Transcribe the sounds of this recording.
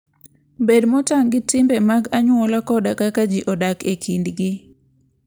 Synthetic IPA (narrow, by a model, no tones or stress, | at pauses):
bedmɔtaŋɡɪtɪmbɛmaɡaɲwɔlakɔdakakad͡ʒiʔɔdakekʰindɡɪ